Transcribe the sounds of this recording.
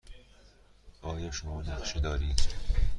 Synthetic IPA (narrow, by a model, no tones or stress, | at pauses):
ʔɒːjɒːʃomɒːnæχʃid̪ɒːɾiːd̪